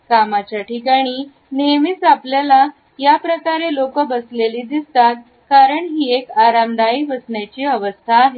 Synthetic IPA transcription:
kamat͡ɕjaʈʰikaɽ̃iː | nemit͡sapljala | japɾəkaɾelokəbəsleliːd̪ist̪at̪̚ | kaɾəɳɦiːekaɾamd̪aiʋəsɳjat͡ɕiːəʋəst̪ʰaːɦe

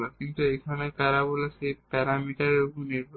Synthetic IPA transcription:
lakint̪uejkʰaneɾkaɾabolasepɛɾamiʈaɾokuniɾbʱ

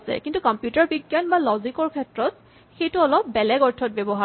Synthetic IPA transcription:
sɛ̰kintukɔmpjutaɹbiɡjanbalɔzikɔɹkʰɛtɹɔt | xejtuɔlɔp̚bɛlɛɡɔɹtʰɔt̚bɛbɔɦa

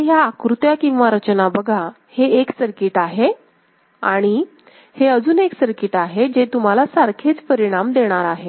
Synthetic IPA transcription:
ɦjaːkɾut̪jakĩŋ̃ʋaɾət͡ɕənabəɡʱa | heːksəɾkiːʈaɦe | a̰ɽ̃i | heəd͡zuːneksəɾkiːʈaɦed͡ʑet̪um̤alasaɾkʰet͡spəɾiɽ̃amd̪eɽ̃aɾaɦe

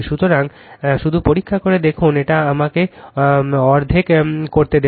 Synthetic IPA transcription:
ʃut̪oɾaŋ | ʃud̪ʱupoɾikʰːakoɾed̪ekʰuneʈaamake | ɔɾd̪ʱekkoɾt̪ed̪e

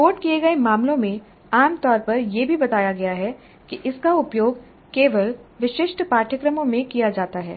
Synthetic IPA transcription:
koːʈkieɡɐemaːmlõmẽ | aːmt̪ɔːɾpɐɾjebʱibɐt̪aːjaɡɐjaɦɛ | kiʔɪskaʊpjoːɡ | keːʋəlʋɪʃɪʃʈʰpaːʈʰəkɾəmõmẽkijad͡ʒaːt̪aɦɛ̰ː

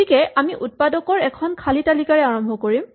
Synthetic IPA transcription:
ikɛʔamiʔut̚padɔkɔɹɛkʰɔnkʰalitalikaɹɛaɹɔmbʱɔkoɹim

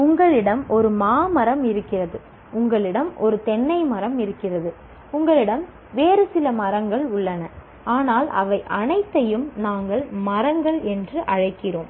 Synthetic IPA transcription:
ʊŋɡɐɭɪɽɐmɔɾɯmaːmɐɾɐmɪɾɯkːɪrɐðɯ | ʊŋɡɐɭɪɽɐmʔɔ̰ɾɯt̪ɛnːɐɪmɐɾɐmɪɾɯkːɪrɐðɯ | ʊŋɡɐɭɪɽɐm | ʋeːɾɯsɪlɐmɐɾɐŋɡɐɭʊɭːɐnɐ | aːnaːlɐ̰ʋɐɪʔɐnɐɪt̪ːɐjɯmnaːŋɡɐɭmɐɾɐŋɡɐɭɛndrɯʔɐɻɐɪkːɪroːm

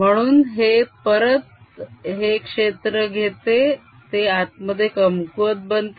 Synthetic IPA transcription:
m̤əɽ̃uːnɦepəɾət̪ɦekʂet̪ɾəɡʱet̪e | t̪eat̪̚məd̪ʱːjekəmkuʋət̪̚bənt̪

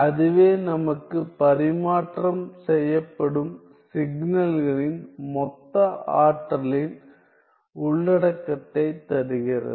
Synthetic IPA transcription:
ɐðɯʋeːnɐmɐkːɯpɐɾɪmaːʈrɐmsɛjːɐpːɐɽɯm | sɪɡnɐlɣɐɭɪnmɔt̪ːɐaːʈrɐlɪn | ʊɭːɐɽɐkːɐt̪ːɐɪt̪ɐɾɯɣɪrɐ̰ðɯ

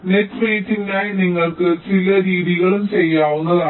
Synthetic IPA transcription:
neʈːmeːʈːiŋɡaːjiniŋːɐɭkɨt͡ɕilɐɾiːðiɣɐɭumt͡ɕejːaːʋunːɐðaː

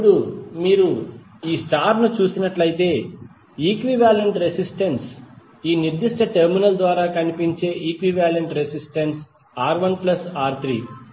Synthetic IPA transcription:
pɽumiːɾu | iːsʈaːɾnut͡ʃuːsinɐʈlɐjit̪e̞ː | iːkʋiʋaːleɳʈɾesisʈɐns | iːniɾd̪iʂʈɐʈeɾminɐld̪ʋaːɾaːkɐnipiɲt͡ʃe̞ːʔiːkʋiʋaːleɳʈɾesisʈɐns | aːɾʋɐŋɡplɐsaːɾt̪ʰɾḭː

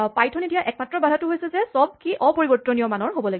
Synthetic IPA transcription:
pajtʰɔnidijaʔɛk̚matɹɔbadʱatʊɦojsɛzɛsɔb̚kiʔɔpoɹibɔɹtɹɔnijɔmanɔɹɦobɔlaɡi

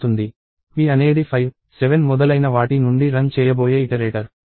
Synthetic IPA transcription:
und̪i | ʋiːɐne̞ːɽipʰɐjʋ | seʋenmɔd̪ɐlɐjnɐʋaːʈinuɳɖiɾɐnt͡ʃɛːjɐboːjeːiʈɐɾeːʈɐɾ

